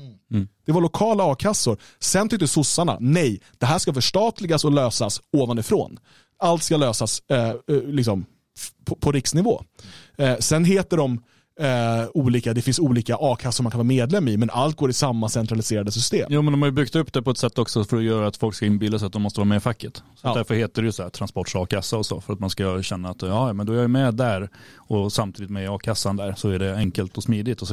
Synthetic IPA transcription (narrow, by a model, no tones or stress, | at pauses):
d̪̥ɛvaɭʊkʰɑːlaɑːkʰasːʊɾ | sɛnt̪ʰʏk̚t̪əsʊsːaɳa̰nɛjd̪̥ɛɦæːʂkafœʂʈɑːt̪lɪɡasɔløːsasoːvanɪfɾo̰ːn | alt̪skaløːsas | lɪksɔm | pʰɔpʰɔɾɪksnɪvo̰ː | sɛnɦeːt̪əɖɔm | uːliːkad̪ɛfɪnsuːliːkaʔɑːkʰasːʊɾmankʰanvːmeːd̪lɛmːɪmɛnʔalt̪̚ɡoːɾɪsamːasɛnt̪ɾalɪseːɾad̪əsʏst̪ḛːmjuːmɛnd̪ɔmhaɾjɵbʏkt̪ɵpːd̪ɛpɔɛt̪sɛt̪ːɔksɔfœɾɔjœːɾaat̪fɔlkskaɪnbɪlːasɛat̪d̪ɔmɔst̪əvɑːɾmɛɪfakːət̪sɔd̪æɾfœɾheːt̪əɖɛjɵsɔd̪æːɾt̪ʰɾanspɔʈʂɑːkʰasːaɔsɔ̰fœɾat̪̚manskaɕɛnːaːt̪ɑːjɑmɛnd̪ɔæɾjajmɛd̪æɾɔsamt̪ʰiːd̪ɪt̪mɛɑːkʰasːand̪æɾsɔæɖɛɛŋkəlt̪ɔsmiːd̪ɪt̪ɔ